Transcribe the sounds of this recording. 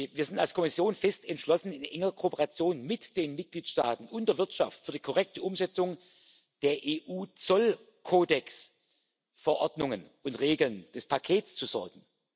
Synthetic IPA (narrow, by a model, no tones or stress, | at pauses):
viːɐzɪntalskʰɔmɪsjoːnfɛstɛntʃlɔsn̩ɪnʔɛŋəʁkʰoːpəʁat͡sjoːnmɪtd̥eːnmɪt̚ɡ̥liːtʃta̰ːtn̩ʊndeɐvɪɐtʃa̰ftfyːɐdiːkʰɔʁɛk̚təʔʊmzɛt͡sʊŋ | d̥eːɐʔeːʔuːt͡sɔl | kʰoːdɛks | fɛɐʔɔɐdnʊŋənʊntʁeːɡl̩nd̥ɛspʰakʰeːtt͡st͡suzɔɐɡ̥ŋ̩